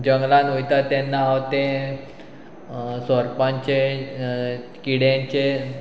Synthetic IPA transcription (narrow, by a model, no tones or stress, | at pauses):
d͡ʑəŋɡlãnojt̪at̪ɛnːaːwt̪e | sɔɾpãɲt͡ɕe | kiɽjãɲt͡ɕe